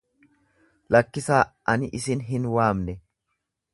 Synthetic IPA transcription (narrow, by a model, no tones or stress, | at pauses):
lɐkːɪsaːʔɐnɪʔɪsɪnɦɪnwaːmnɛ